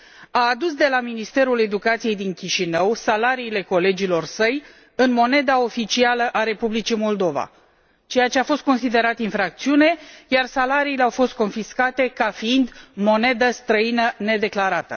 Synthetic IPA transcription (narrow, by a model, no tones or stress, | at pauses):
aːd̪usd̪e̞laminist̪e̞ɾule̞d̪ukat̪sije̞jd̪iŋkʲiʃinəwsalaɾiːle̞ko̞le̞d͡ʒilo̞rsəj | ɨnmo̞ne̞d̪ao̞fit͡ʃialəʔaɾe̞publit͡ʃimo̞ld̪o̞va̰ | t͡ʃe̞jat͡ʃe̞afo̞st̪̚ko̞nsid̪e̞ɾat̪infɾak̚t̪siune̞jarsalaɾiːleawfo̞st̪̚ko̞nfiskat̪e̞kafiind̪mo̞ne̞d̪əst̪ɾəinəne̞d̪e̞klaɾat̪ə̰